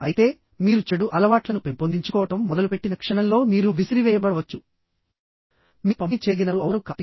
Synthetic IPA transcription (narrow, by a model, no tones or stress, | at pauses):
ɐjit̪e̞ː | miːɾut͡ʃeɽuʔɐlɐʋaːʈlɐnupempond̪iɲt͡ʃukɔːʋɐʈɐmːɔd̪ɐlupe̞ʈːinɐkʂɐɳɐmlo̞ːmiːɾuʋisiɾiʋɛːjɐbɐɽɐʋɐt͡ʃːu | mipɐmt͡ʃe̞ːɡinɐɾuɐʋɐɾukɐt̪i